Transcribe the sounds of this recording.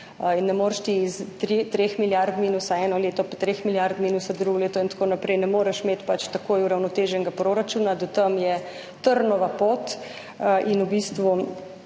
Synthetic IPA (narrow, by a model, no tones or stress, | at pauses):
inːɛmoːɾʃt̪iist̪ɾit̪ɾeːxmiljaɾt̪miːnusaɛːnɔleːt̪ɔpḁt̪ɾeːxmiljaɾt̪miːnusad̪ɾuɡɔleːt̪ɔint̪ḁkoːnapɾɛjnɛmoːɾɛʃmeːt̪pat͡ʃt̪ɐkoːjuɾawnɔt̪eːʒɛŋɡapɾoɾat͡ʃuːnad̪ɔt̪əmjɛ | t̪əɾnɔʋapoːt̪ | ʔinubist̪ʋu